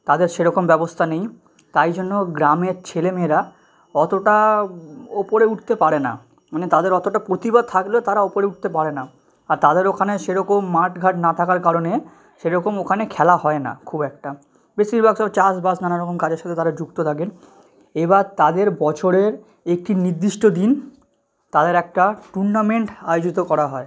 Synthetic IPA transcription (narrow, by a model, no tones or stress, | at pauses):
t̪ad̪eɾʃeɾɔkombɛbost̪ʰanej | t̪ajd͡ʑonːoɡɾameɾt͡ɕʰelemeɾa | ɔt̪oʈa | opoɾeuʈ̚t̪epaɾena̰ | manet̪ad̪eɾɔt̪oʈapɾot̪ibad̪̚t̪ʰaklet̪aɾaopoɾeuʈ̚t̪epaɾena | aɾt̪ad̪eɾokʰaneʃeɾɔkomːaʈɡʱaʈnat̪ʰakaɾkaɾone | ʃeɾɔkomokʰanekʰɛlahɔena̰kʰubɛkʈa | besiɾbʱaɡsɔbt͡ɕasbasnanaɾɔkomkad͡ʑeɾʃat̪ʰot̪aɾad͡ʑukt̪ot̪ʰaken | ebaɾt̪ad̪eɾbɔt͡ɕʰoɾeɾ | ek̚ʈiniɾd̪ːiʃʈod̪in | t̪ad̪eɾɛk̚ʈaʈuɳɖameɳʈajod͡ʑit̪okɔɾaɦɔe